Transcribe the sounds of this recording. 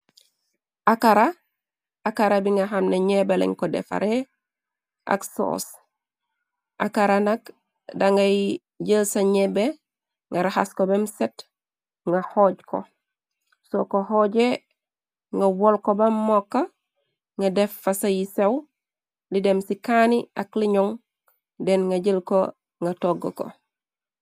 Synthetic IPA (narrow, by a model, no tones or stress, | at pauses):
ʔakaɾa | akaɾabiŋɡaɦamneɲebelḛŋkodḛfa̰ɾe | ʔa̰kso̰ːs | ʔakaɾanak | daŋɡaj | ɟəlsaɲebe | ŋɡaɾaha̰skobemset | ŋahoɟko̰ | sokohoɟe | ŋawolkobamːokːa | ŋadefːasajisew | lidemsikaniakliɲoŋ | denŋaɟəlko | ŋɡatoɡoko̰